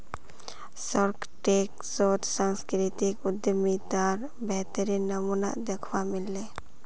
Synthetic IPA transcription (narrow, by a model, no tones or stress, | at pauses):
sɔɾkʰ | ʈek̚sɔt̪saŋskɾit̪ikud̪jəmit̪aɾ | bɛt̪əɾinəmuna̰ʔd̪ɛkʰwamilːe